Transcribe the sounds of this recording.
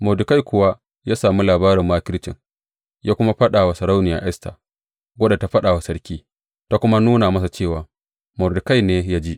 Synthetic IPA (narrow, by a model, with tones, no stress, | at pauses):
mɔ˨dʊ˨ka˦˨jkʷʊ˨wa˦ | jaː˦saː˨mu˦laː˨baː˦ɾɪ˨mːaː˦kʲɪ˦lt͡ʃɪ̰˨ŋ | jaː˦kʷʊ˦ma˦ɸɐ˦ɗaː˨wa˨sɐ˨ɾa˦wnɪ˨ja̰ː˨ʔɛ˦sta̰˨ | wɐ˦ɗa˨ta˨ɸɐ˦ɗaː˨wa˨sɐ˦ɾkʲiː˦ | ta˦kʷʊ˦ma˦nuː˦na˨mɐ˦s̬a˨t͡ʃeː˦˨waː˨ | mɔ˨dɪ˨ka˦˨jneː˦ja˦d͡ʒi˦ʔ